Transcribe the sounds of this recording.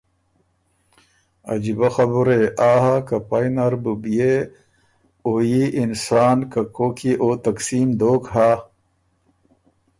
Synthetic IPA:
ɐ̰d͡ʑibɐxɐbuɾeʔaːɦakɐpɐjnɐɾbubije | oːjiʔinsaːnkɐkoːkiʔoːt̪ɐksiːmd̪oːkɦa

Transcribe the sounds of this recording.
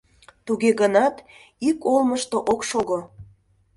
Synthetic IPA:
t̪uɣeɣənɑt̪ | ikolməʃt̪oʔokʃoɣo

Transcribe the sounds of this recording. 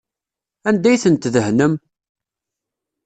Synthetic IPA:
ænd̪æjθənt̪ðəhnəm

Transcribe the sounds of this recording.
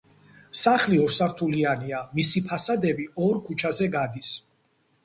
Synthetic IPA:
saχliɔɾsaɾt̪ʰulianiamisipʰasad̪ɛbiɔɾkʰut͡ʃʰazɛɡad̪is

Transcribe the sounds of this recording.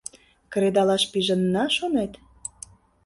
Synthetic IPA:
kɾed̪ɑlɑʃpiʒə̆nːɑʃonet̪

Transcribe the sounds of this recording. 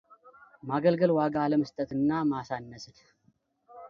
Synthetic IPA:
maɡəlɡəlwaɡaləməst̪ʼət̪ɨnːamasanːəsɨn

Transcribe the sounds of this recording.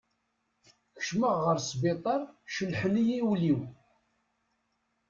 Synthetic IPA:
kə̥ʃməʁːəɾsbet̪ˤɑɾˤʃəlħnijiwliw

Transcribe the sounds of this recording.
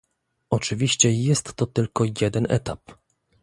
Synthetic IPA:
ɔt͡ʂɘvʲiɕt͡ɕɛjɛst̪ːɔt̪ɘlkɔjɛd̪ɛnɛ̰t̪ap

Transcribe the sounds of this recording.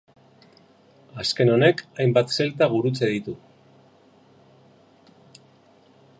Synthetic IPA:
aske̞no̞ne̞kajmbat̪se̞lt̪aɣ̞uɾut͡se̞ð̞it̪u

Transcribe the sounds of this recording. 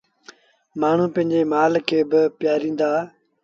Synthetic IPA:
maːɳ̤ũːpə̃ɦɪ̃ɲd͡ʒeːmaːlkʰeːbɪpjaːɾĩːnd̪aː

